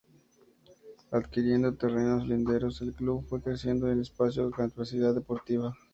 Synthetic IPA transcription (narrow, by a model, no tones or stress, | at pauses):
aðkiɾje̞nd̪o̞t̪e̞re̞no̞zlind̪e̞ɾo̞se̞lkluβfwe̞kɾesje̞nd̪oenlespasjokat̪iβeɾsiðaðːepo̞ɾt̪iβa